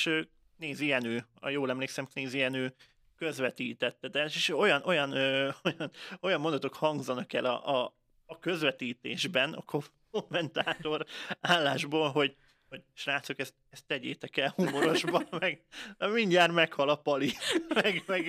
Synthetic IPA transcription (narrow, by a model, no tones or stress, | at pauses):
ʃøː | k̚neːzijɛnøːɒ̰joːlɛmleːksɛmkneːzijɛnøː | kø̞zʋɛt̪iːt̪ɛt̪ːɛd̪ɛʃeʃo̞jɒnʔo̞jɒnøːojɒno̞jɒmo̞nd̪ɒt̪o̞khɒŋɡzɒnɒkɛ̰lɒ̰ɒː | kø̞zʋɛt̪iːt̪eːʒbɛnɒ̰kʰokomːɛnt̪aːt̪o̞raːlːaːʒboːlɦo̞ɟ | ho̞ɟʃraːt̪sokɛst̪̚ɛst̪ːɛɟḛːt̪ɛkɛlhumo̞ɾo̞ʒbɒmmɛɡɛmiɲːaːrmɛkhɒlɒpɒlimɛɡmɛɡ